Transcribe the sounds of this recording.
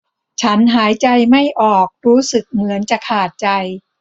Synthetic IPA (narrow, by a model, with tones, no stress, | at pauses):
t͡ɕʰa˦˥nɦaː˩˦jt͡ɕa˧jma˥˩jʔɔː˨˩k̚ɾuː˦˥sɯ˨˩k̚mɯ˩˦ənt͡ɕa˨˩kʰaː˨˩t̪̚t͡ɕa˧j